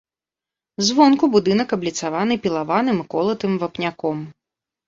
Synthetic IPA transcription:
zvɔnkubud̪ɨnɐkɐblʲit̪savanɨpʲilˠavanɨmɨkɔlˠɐt̪ɨmvapnʲakɔm

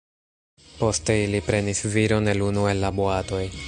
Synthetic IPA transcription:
po̞ste̞ilipɾe̞nisviɾo̞ne̞lunue̞lːaboato̞j

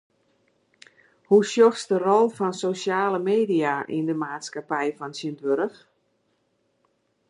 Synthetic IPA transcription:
husjoxsdərɔlˠfɔnsosjaːləmeːdiaʔḭndəmaːtskapɛjfɔnsəndʋøɾəx

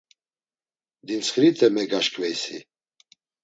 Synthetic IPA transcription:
d̪int͡sχɾit̪ʰʼɛmɛɡaʃkʼvɛjsi

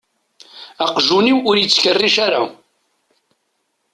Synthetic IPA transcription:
aqʒuniwʊɾjət͡sːçərːiʃaɾa̰

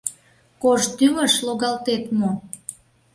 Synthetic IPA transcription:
koʃt̪yməʃloɣɑlt̪et̪mo

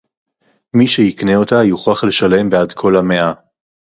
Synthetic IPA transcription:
miʃejikne̞o̞tajuχaχle̞ʃale̞mbeadkʰo̞lame̞ʔa

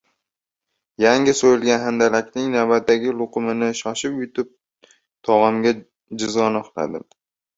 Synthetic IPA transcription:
jaŋʲɪsojɪlɡʲanɦand̪alakʲnɪŋnawbat̪ːaɡʲɪlˠʊqʊmɪnɪʃɒʃɪpjʊt̪ɪp̚ | t̪ʰɒʁamɡʲa | d͡ʒɪzɒnɒqla̰d̪ɪm

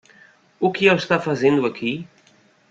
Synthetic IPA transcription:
ukiɛwst̪afɐzend̪uɐkʰi

